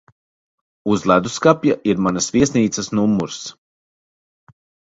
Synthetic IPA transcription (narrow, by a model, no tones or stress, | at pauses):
uzlˠæd̪uskapjaʔiɾmanasvʲiɛsniːt̪ssnumːuɾs